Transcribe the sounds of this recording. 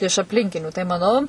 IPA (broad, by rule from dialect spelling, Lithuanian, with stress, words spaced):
ɪʃ ɐpʲˈlʲɪŋʲkʲɪnʲuː tɐɪ mɐˈnɐʊ